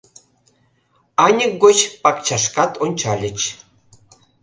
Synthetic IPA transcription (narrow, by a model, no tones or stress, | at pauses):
ɑnʲək̚ɡot͡ɕpɑkt͡ɕɑʃkɑt̪onʲt͡ɕɑlʲə̆t͡ɕ